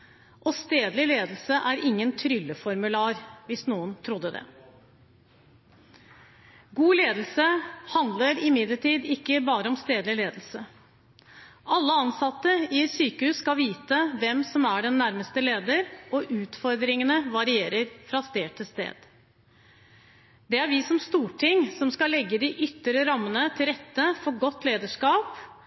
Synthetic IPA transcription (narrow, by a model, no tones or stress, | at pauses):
ʔɔst̪eːd̪lɪleːd̪l̩səʔæɾʔɪŋːənt̪ʰɾʏlːəfɔɾmʉlɑːɾʋɪsnuːənt̪ʰɾʊd̪ːəd̪ɛ̰ | ɡuːleːd̪l̩səhɑnd̪ləɾɪmɪd̪ləʈʰiːd̪ɪkːəbɑːɾəɔmst̪eːd̪lɪleːd̪l̩sə | ʔɑlːəɑnsɑt̪ːəɪsyːkəhʉːsskɑlʋiːt̪əʋɛmsɔmæɖɛnːæɾməst̪əleːd̪əɾɔʔʉːt̪fɔɾd̪ɾɪŋənəʋɑɾɪeːɾəɾfɾɑst̪eːʈʰɪst̪ḛːd̪̥ | d̪ɛæɾʋɪsɔmst̪uːʈʰɪŋsɔmskɑlɛɡːəd̪ɪʔʏt̪ːəɾəɾɑmːənət̪ʰɪlɾɛt̪ːəfɔɾɡɔt̪ːleːd̪əʂkɑːp